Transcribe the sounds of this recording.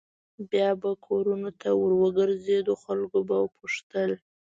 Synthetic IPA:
bjɑbakʰoɾunot̪awəɾwəɡəɾzed̪oxalɡobawpuʂt̪əl

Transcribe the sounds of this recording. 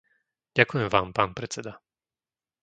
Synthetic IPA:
ɟakujɛmvaːmpaːnpɾɛt͡sɛd̪a

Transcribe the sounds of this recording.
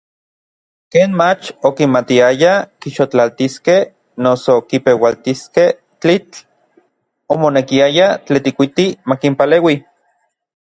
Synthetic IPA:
keːnmat͡ʃokimat̪iajakiʃot͡ɬalt̪iskeh | nosokipewalt̪iskeh | t͡ɬit͡ɬ | omonekiajat͡ɬet̪ikʷit̪imakimpaleːwi

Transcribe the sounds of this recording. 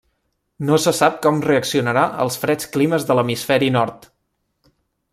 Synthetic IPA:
nosəsap̚kɔmreəksiunəɾaʔə̰lˠsfɾɛt͡skliməzðələmisfɛɾinɔɾt̪

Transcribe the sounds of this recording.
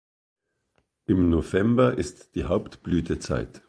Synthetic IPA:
ʔɪmnovɛmbɐʔɪstd̥iːhaʊptb̥lyːtʰət͡sa̰ɪt

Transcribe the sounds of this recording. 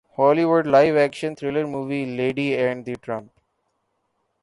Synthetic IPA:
hɔːliʋʊɖlaɪʋækʃə̃nt̪ʰɾeləɾmuːʋileːɖiɛ̃ɳɖd̪iʈɾʌ̃mp

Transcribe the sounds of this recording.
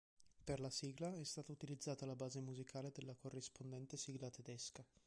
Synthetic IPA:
perlasiːɡlaɛst̪aːt̪aut̪ilid̪zːaːt̪alabaːzemuzikʰaːled̪elːakorːispond̪ɛnt̪esiɡlat̪ed̪ɛska

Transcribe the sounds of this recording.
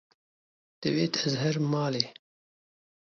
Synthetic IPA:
t̪ɨweːt̪ɛzɦɛɾmɑːleː

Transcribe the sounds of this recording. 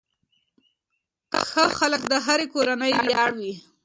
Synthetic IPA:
xəxalək̚d̪əɦaɾekoɾanəjbjɑɽwi

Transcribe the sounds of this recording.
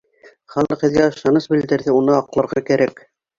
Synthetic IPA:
χɑlˠɤqhɘ̆ðɡæɤ̆ʃlˠɑnɤʃbɘ̆ld̪ɘ̆ɾðɘunɤɑqlˠɤ̆ɾʁɑkæɾæk

